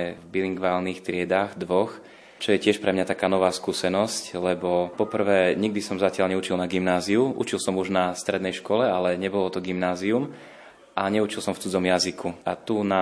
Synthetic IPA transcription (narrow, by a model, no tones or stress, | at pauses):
ɛvbiliŋɡʋaːlnixt̪ɾɪɛd̪aːɣd̪ʋɔx | t͡ʃɔjɛcɪɛʃpɾɛmɲat̪akaːnɔʋaːskuːsɛnɔsclɛbɔpɔpr̩ʋɛːɲiɡ̚d̪isɔmzacɪalɲɛut͡ʃilnaɡimnaːziuʔṵt͡ʃilsɔmuʒnast̪ɾɛd̪nɛjʃkɔlɛalɛɲɛbɔlɔt̪ɔɡimnaːzium | ʔaɲɛut͡ʃilˠsɔmft͡sud͡zɔmjazikʰuʔat̪una